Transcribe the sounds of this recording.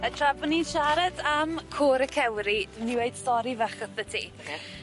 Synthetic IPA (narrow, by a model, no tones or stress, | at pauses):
ətʰrabɔniʃaɾadamkʰoːɾəkʰɛwɾid̥ɪniweɨd̥stɔɾivəχəpətʰi